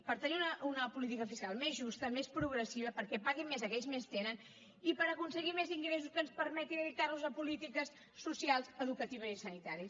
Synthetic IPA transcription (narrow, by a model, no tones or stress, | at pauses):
pəɾt̪əniunəunəpulit̪̬ikəfiskalˠmezʒust̪əmespɾuɣɾəsiβ̞əpəɾkɛpaɣimezəkɛʎzmest̪enən | ipəɾəkunsəɣimeziŋɡɾes̬uskənspəɾmɛt̪inəðit̪arluzəpulit̪ikəsː | usialˠzəðukət̪iβ̞əzisənit̪aɾiəs